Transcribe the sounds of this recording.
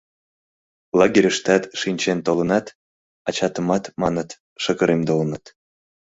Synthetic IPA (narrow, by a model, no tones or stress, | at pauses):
lˠɑɡeɾʲəʃt̪ɑt̪ʃinʲt͡ɕent̪olənɑt̪ | ɑt͡ɕɑt̪əmɑt̪mɑnət̪ | ʃəɣəɾʔemd̪olɤnɑt̪